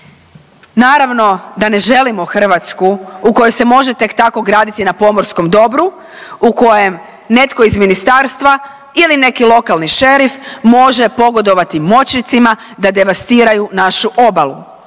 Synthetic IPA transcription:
naːɾaʋno̞d̪ane̞ʒe̞limo̞xr̩ʋat̪skuuko̞jojse̞mo̞ʒet̪e̞kt̪ako̞ɡɾaːd̪it̪inapo̞mo̞ɾsko̞md̪o̞bɾu | uko̞je̞m | ne̞t̪ko̞izminist̪aːɾst̪ʋa | iline̞kilˠo̞kalˠniʃe̞ɾifmo̞ʒe̞po̞ɡo̞d̪o̞ʋat̪imo̞t͡ɕnit̪sima | d̪ad̪e̞ʋast̪iːɾajunaʃuʔo̞balu

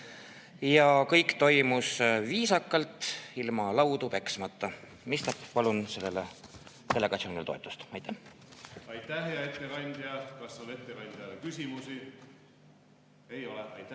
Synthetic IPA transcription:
jɑkɤjkt̪o̞jmusviːsɑkːˑɑlt̪ilmɑlɑwd̪upe̞ksmɑt̪ːɑ | mist̪ɑppɑlunse̞lːele | t̪e̞lːe̞ɡ̥ɑt̪sioːnilet̪o̞t̪ːˑu̥st̪ɑjt̪ːæhɑjt̪ːæɦejɑet̪ːekɑnʲd̪̥iɑkɑsːone̞t̪ːekɑnʲd̪̥ʲiɑlekysʲimusi | ejoleɑjt̪ːæ

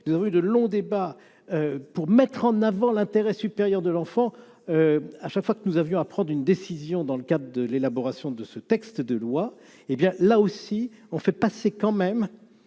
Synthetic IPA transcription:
nuzavɔ̃yd̪əlɔ̃d̪eba | øpuʁmɛt̪χɑ̃navɑ̃lɛ̃t̪eʁɛsypeʁjœʁd̪əlɑ̃fɑ̃ | øaʃakfwakənuzavjɔ̃apχɑ̃d̪ʁynd̪esizjɔ̃d̪ɑ̃ləkad̪ʁəd̪əlelabɔʁasjɔ̃d̪əsət̪ɛkst̪d̪əlwa | ebjɛ̃laosiɔ̃fɛpasekɑ̃mɛm

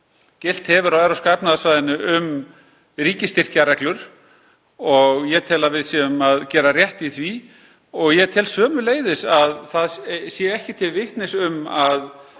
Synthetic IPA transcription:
cɪl̥t̪hɛvʏɾɔɛɾawskapnaðasvaːðɪnːʏʔʏm | ɾiːcɪst̪ɪr̥caɾɛklʏɾ̥ | ɔɣjɛt̪ʰɪlavɪðsjɛʏmaðcɛːɾarjɛht̪iθvi | ɔɣjɛt̪ʰɪlsœːmʏleːjðɪsaðθaðsjɛɛhcɪt̪ʰɪlvɪht̪nɪsʏmað

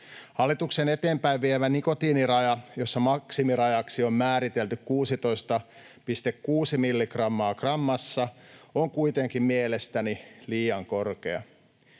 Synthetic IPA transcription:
hɑlːit̪uksene̞t̪eːmpæiʋʋieʋæniko̞t̪iːnirɑjɑjo̞sːɑmɑksimirɑjɑksio̞mmæːɾit̪elt̪ykkuːsit̪o̞ist̪ɑ | pist̪ekːuːsimilːikrɑmːɑːkrɑmːɑsːɑoŋkuit̪eŋkimmielest̪æniliːɑŋko̞rkeɑ

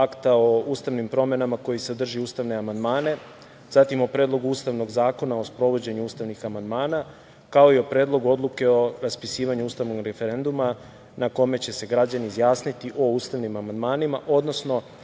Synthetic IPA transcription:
akt̪ao̞uːst̪aʋnimpɾo̞me̞namako̞jised̪r̩ʒiuːst̪aʋne̞amand̪maːne̞ | z̥at̪imo̞pɾe̞ːd̪lˠo̞ɡuuːst̪aʋno̞ɡzaːko̞nao̞spɾo̞ʋo̞d͡ʑe̞ɲuuːst̪aʋnixamand̪maːna | kao̞io̞pɾe̞ːd̪lˠo̞ɡuo̞d̪luke̞o̞ɾaspisiːʋaɲuuːst̪aʋno̞ɡɾe̞fe̞ɾe̞nd̪uma | nako̞me̞t͡ɕe̞se̞ɡɾad͡ʑaniːzjaːsnit̪iʔo̞uːst̪aʋnimamand̪maːnimaʔo̞d̪no̞sno̞

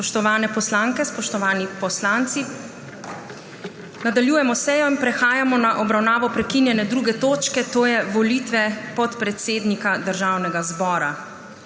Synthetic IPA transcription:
pɔʃt̪ɔʋaːnɛpɔslaːŋkɛspɔʃt̪ɔʋaːnipɔslaːnt̪si | nad̪aljuːjɛmɔsɛːjɔinpɾɛxaːjamɔnaʔɔbɾawnaːʋɔpɾɛkinjɛnɛd̪ɾuɡɛt̪oːt͡ʃkɛt̪oːjɛʋɔlit̪ʋɛpɔt̪pɾɛt̪seːd̪nikad̪əɾʒaːwnɛɡazbɔːɾa̰

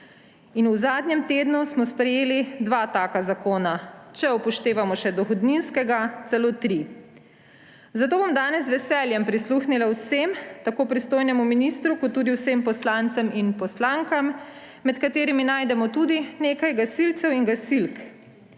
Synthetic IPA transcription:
inuzaːd̪nɲɛmt̪eːd̪nusmɔspɾɛjeːlid̪ʋaːt̪aːkazakoːnat͡ʃɛupɔʃt̪eːʋamɔʃɛd̪ɔxɔd̪ninskɛɡat̪sɛloːt̪ɾi | zat̪oːbomd̪aːnɛzʋɛsɛːljɛmpɾisluːxnilawsemt̪akoːpɾist̪oːjnɛmuminist̪ɾukɔt̪ːuːd̪iwsempɔslaːnt̪sɛminpɔslaŋkamː | ɛt̪kat̪eːɾiminaːjd̪ɛmɔt̪uːd̪ineːkajɡasilt̪sɛwiŋɡasilk

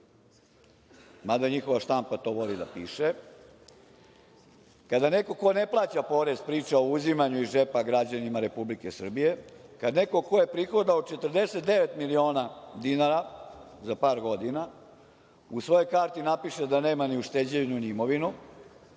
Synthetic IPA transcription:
mad̪aɲixo̞ʋaʃt̪ampat̪o̞ːʋo̞lid̪apiːʃe | kad̪ane̞ko̞ko̞ne̞plˠaːt͡ɕapo̞ːɾe̞zpɾiːt͡ʃao̞uzimaɲuiʒepaɡɾad͡ʑanimaɾe̞publike̞sr̩bije̞kad̪ne̞ko̞ko̞je̞pɾixod̪aot͡ʃe̞t̪ərd̪e̞set̪d̪eʋet̪milio̞ːnad̪inaɾazapaːɾɡo̞d̪ina | usʋo̞jo̞jkaːɾt̪inapiʃed̪ane̞ːmaniuʃt̪ed͡ʑeʋnunimo̞ʋinu

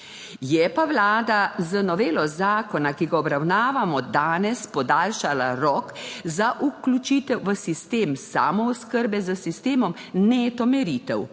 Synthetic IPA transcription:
jɛpaʋlaːd̪azənɔʋeːlɔzaːkɔnakiɡaɔbɾawnaːʋamɔd̪aːnɛspɔd̪aːlʃalaɾɔkzaʔuklʲut͡ʃiːt̪ɛwʋəsist̪eːmsa̰ːmɔɔskəɾbɛzəsist̪eːmɔm | nɛt̪ɔmɛɾiːt̪ɛw

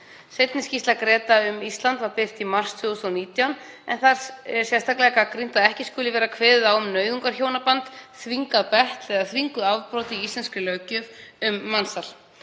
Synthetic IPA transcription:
sejt̪nɪscist̪lakɾɛːt̪aʏmist̪lant̪vaɾpɪr̥t̪imar̥st̪ʰvʏʏst̪aniːt̪jawn | ɛ̰nθaɾ̥sɛ̥sjɛst̪ʰaklɛkakɾin̥t̪aðɛhcɪskʏːlɪvɛːɾakʰvɛːððawʏmnœːɥðʏŋkaɾ̥çoːwnapant̪θviŋkaðpɛht̪lɛɣaθviŋkʏðavpɾɔːt̪ɪiist̪ɛnskʏlœːɥcʏvʏmːansal̥

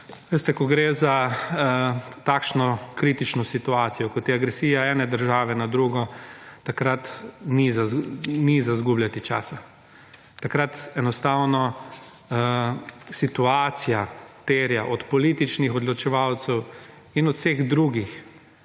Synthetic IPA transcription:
ʋest̪ɛkɔɡɾeːza | t̪akʃnɔkɾit̪it͡ʃnɔsit̪uaːt̪sijɔkɔt̪jɛaɡɾɛsiːjaɛːnɛd̪əɾʒaːʋɛnad̪ɾuɡɔt̪akɾat̪nizanizazɡublʲjat̪it͡ʃa̰ːsa | t̪akɾat̪ɛnɔst̪awnɔ | sit̪uaːt̪sijat̪eːɾjaʔɔt̪pɔliːt̪it͡ʃnixɔd̪lɔt͡ʃɛʋawt̪sɛw | inɔt̪w̥seːɣd̪ɾuːɡix

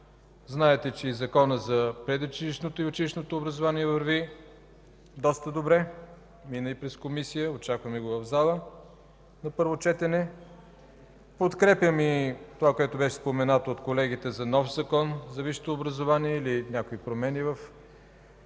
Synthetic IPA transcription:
znaɛt̪ɛt͡ʃɛizɐkɔnəzɐpɾɛd̪ot͡ʃɛliʃnot̪oiot͡ʃɛliʃnot̪oːbɾɐzovaniɛvɐɾvi | d̪ɔst̪əd̪obɾɛ | minəipɾɛskomisijəot͡ʃakvəmɛɡovɐvzalˠə | nɐpɤɾvot͡ʃɛt̪ɛnɛ | pot̪kɾɛpjəmit̪ovakoɛt̪ʊbɛʃɛ̥spomɛnat̪oot̪kolɛɡ̟it̪ɛzɐnɔfzɐkɔnzɐviʃt̪oːbɾɐzovaniɛilinʲakoipɾomɛnivəf

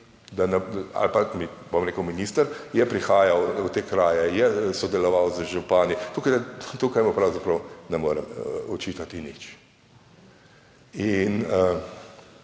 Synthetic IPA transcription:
d̪anɛa̰lpamibomɾeːkəʊminiːst̪əɾjɛpɾixaːjawut̪eːkɾaːjɛjɛsɔd̪ɛlɔʋawzəʒupaːnit̪ukajd̪at̪ukajmupɾawzapɾɐwnɛmoːɾɛmɔt͡ʃit̪at̪init͡ʃ | inə

